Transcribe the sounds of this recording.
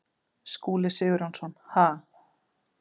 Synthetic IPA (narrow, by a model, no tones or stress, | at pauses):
skuːlɪsʏːɣʏɾansɔnhaː